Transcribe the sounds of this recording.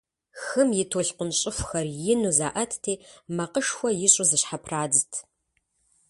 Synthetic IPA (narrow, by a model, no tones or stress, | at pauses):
xɨmjɪtʰoːɬqʷʊnɕʼɪxʷxɐrjɪnuzaːʔɐtʰtʰeːmɐqəʂxʷɔjɪɕʼʊzɨɕħapʰraːd͡zɨtʰ